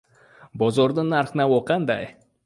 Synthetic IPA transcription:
bozoɾd̪ənɑɾχnɑwoqɑnd̪ɑ̰j

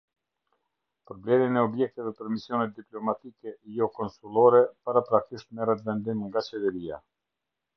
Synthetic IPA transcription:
pɾɔblɛminɛɔbjɛk̚t̪ɛvɛpəɾmisjɔnɛt̪̚d̪iplɔmat̪ikɛjɔkɔnsulˠɔɾɛpaɾapɾakiʃt̪mɛɾɛt̪vɛnd̪imŋɡat͡ɕɛðɛɾia̰

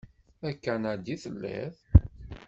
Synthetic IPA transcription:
ækːænad̪iθəlːæ̰θ

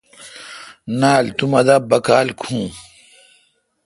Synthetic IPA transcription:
naːlt̪umɐd̪abɐkaːlkʰũː

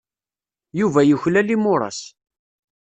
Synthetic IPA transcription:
juvæjəçlælimʊɾˤɑ̰s

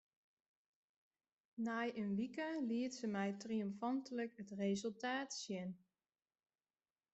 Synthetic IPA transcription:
naːjənʋikəliətsəmɛjtriɔmfɑntələkətrezəlˠtaːtsjɪn

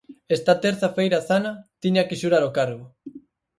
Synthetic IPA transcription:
est̪ɐt̪eɾθafejɾaθanɐt̪iɲakɪʃuɾaɾokaɾɣʊ

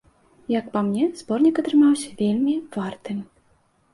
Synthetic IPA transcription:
jɐkpamnʲɛz̥bɔrnʲikɐt̪ɾɨmawsʲɐ̥vʲelʲmʲiv̥art̪ɨm

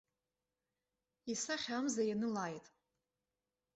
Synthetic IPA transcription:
isaχʲamzajanɨlaːjtʼ

